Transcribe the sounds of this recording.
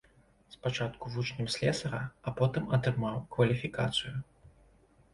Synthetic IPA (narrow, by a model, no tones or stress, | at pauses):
spat͡ʂat̪kuvut͡ʂnʲɛmsʲlʲɛsɐɾɐːpɔt̪ɨmɐt̪ɾɨmawkvɐlʲifʲikat̪sɨju